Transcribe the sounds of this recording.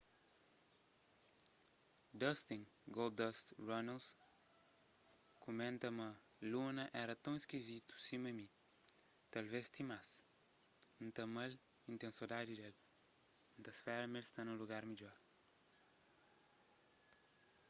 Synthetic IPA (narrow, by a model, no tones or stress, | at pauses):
d̪ɐst̪ĩŋɡold̪d̪ɐst̪rɔnɐls | kumẽnt̪ɐmɐ | lunɐʔɛɾɐt̪ɐ̃w̃iskizit̪u̥simɐmi | t̪alvest̪ĩmas | ũnt̪ɐmɐl | ĩnt̪ẽnsid̪ad̪id̪el̃ | nt̪ɐsfɛɾɐmelst̪anũluɡaɾmiʎɔɾ